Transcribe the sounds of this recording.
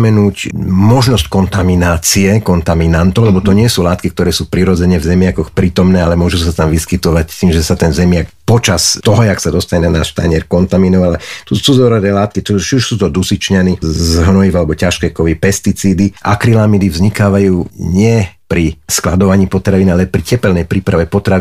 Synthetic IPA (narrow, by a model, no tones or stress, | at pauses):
mɛnuːcmɔʒnɔsckɔnt̪aminaːt͡siɛkɔnt̪aminant̪ɔʊlɛbɔt̪ɔɲɪɛsuːlaːt̪kik̚t̪ɔɾɛːsuːpɾiɾɔd͡zɛɲɛvzɛmɪakɔxpɾiːt̪ɔmnɛːalɛmʊɔʒusat̪amʋiskit̪ɔʋact̪iːmʒɛsat̪ɛnzɛmɪak̚pɔt͡ʃast̪ɔɦɔaksad̪ɔst̪aɲɛnanaːʃt̪a̰ɲɪɛɾkɔnt̪aminɔʋalɛt̪usuzɔɾɔd̪ɛːlaːt̪kit̪ɔt͡ʃiuʃsuːt̪ɔd̪usit͡ʃɲanizɦnɔjivalɛbɔcaʃkɛːkɔʋipɛst̪it͡siːd̪iʔa̰kɾilamid̪ivzɲikaːʋajuːɲɪɛpɾisklad̪ɔʋaɲiːpɔt̪ɾaʋiːnalɛpɾicɛpɛlnɛjpɾiːpɾaʋɛpɔt̪ɾaʋ